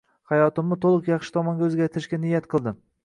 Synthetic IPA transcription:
hajɒt̪ɪmːɪt̪ʰolˠɨqjɑχʃɪ̥t̪ʰɒmɒŋɡʲaɵzɡʲaɾt̪ʰɪɾɪʃɡʲanɪjat̪qʰɨlˠd̪ɪm

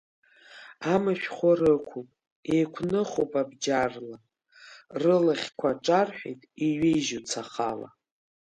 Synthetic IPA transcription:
amaʃᶣχʷarɨkʷʰupʼ | ejkʷʰnɨχowpʼabd͡ʒarla | rɨlaχʲkʷʰaʈ͡ʂʼarħʷḛjtʼiɥejʒut͡sʰaχa̰la̰

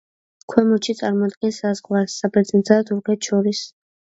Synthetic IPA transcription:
kʰwɛmɔt͡ʃʰit̪sʼaɾmɔad̪̚ɡɛnsːazʁwasːapʰɾɛmd̪zat̪ʰuɾkʰɛt̪ʰʃɔɾis

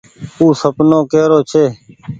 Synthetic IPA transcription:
uːsəpnoːkeːɾoːt͡ʃʰeː

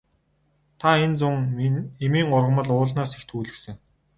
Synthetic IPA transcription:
t̪ʰaent͡sʊŋemiːŋɢʊrʁə̆mə̆ɮʊːɮnaːsext̪ʰuːɮɘ̆ksɘ̆ŋ

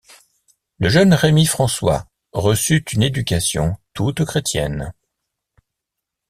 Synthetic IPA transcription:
ləʒənʁemifχɑ̃swa̰ | ʁəsyt̪yned̪ykʲasjɔ̰̃t̪ut̪kχet̪jɛ̰n

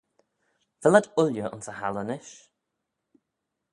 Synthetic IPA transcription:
vɪlədʊljəʔɔ̰nsəha̰lənɪʃ

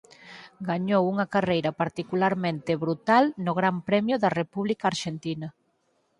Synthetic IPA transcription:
ɡaɲowuŋɐkarejɾɐpaɾt̪ikulaɾmẽnt̪eβɾut̪alnʊɣɾampɾɛmjʊðɐrepuβlikaːɾʃent̪inɐ

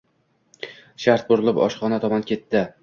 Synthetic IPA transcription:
ʃaɾt̪̚bʊɾɪlˠɪpɒ̰ʃχɒnat̪ʰɒmɒnkʲe̞t̪ːɪ

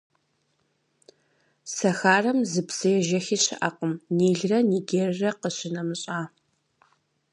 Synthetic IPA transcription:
sɐxaːrɐmzɨpsɐjɛʒɐxiːɕɪ̰ʔɐqəmniːɮrɐniːɡʲerrɐqəɕɪnɐmɨɕʼaː

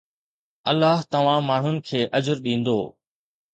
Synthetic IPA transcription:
ɐlːaːɦt̪ɐʋ̤ãmaːɳ̤ʊnɪ̆kʰeːʔɐd͡ʑəɾɗĩːn̆d̪o̰ː

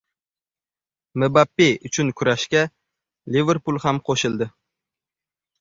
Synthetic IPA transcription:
mɪbapːeʊt͡ʃʰʊnkʰʊɾaʃkʲa | live̞ɾpʊlˠhamqʰoʃɪlˠd̪ɪ

